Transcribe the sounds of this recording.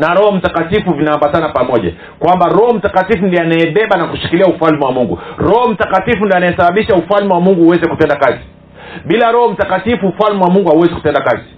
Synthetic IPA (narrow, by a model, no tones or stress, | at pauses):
naɾɔhɔm̩takatifuvinaambatanapamɔʄa̰ | kwambaɾɔhɔm̩takatifundianajɛɓɛɓanakuʃi̥kiliaufalmɛwamuŋɡuɾɔhɔm̩takatifundianajɛsaɓaɓiʃaufalmɛwamuŋɡuhuwɛzɛkutɛndakazi | ɓilaɾɔhɔm̩takatifuːfalmɛwamuŋɡuhauwɛziku̥tɛndakazi